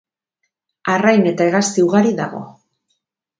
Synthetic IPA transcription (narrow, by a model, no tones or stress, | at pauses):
arajne̞t̪aeɣast̪iuɣaɾiðaɣo̞̰